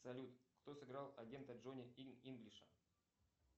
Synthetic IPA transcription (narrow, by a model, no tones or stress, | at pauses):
sɐlʲut̪kt̪osɨɡɾɑlˠɐɡʲe̞nt̪əʐonʲɪiinɡlʲɪʂə